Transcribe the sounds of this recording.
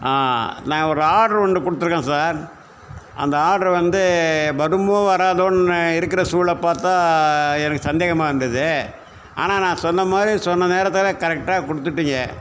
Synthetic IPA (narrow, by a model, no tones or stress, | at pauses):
aːnãːɔɾɯaːɽɐɾɐɳɖɯkɔɽɯt̪ːɯɾɯkːẽːsaːɾ | ʔɐ̰nd̪ɐaːɽɐɾʋɐnd̪ɯbɐɾɯmõːʋɐɾaːðoːnɪɾɯkːɪɾɐsuːɭɐpːaːɾt̪ãːɛnɐkːɯsɐnd̪eːɣɐmaːɪɾɯnd̪ɐðɯ | a̰ːnaːnãːsɔnːɐmaːd̪ɾisɔnːɐneːɾɐt̪ːɪlekɐɾɛk̚ʈaːkɔɽɯt̪ːɯʈːiŋɡɐ